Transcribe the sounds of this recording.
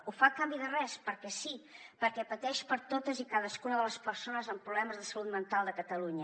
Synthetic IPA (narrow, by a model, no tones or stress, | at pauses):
ufakambiðərɛspəɾkɛsipəɾkɛpət̪ɛʃpəɾt̪ot̪əzikaðəskunəðələspəɾsonəzəmpɾuβlɛməzðəsəlut̪mənt̪alˠd̪əkət̪əluɲə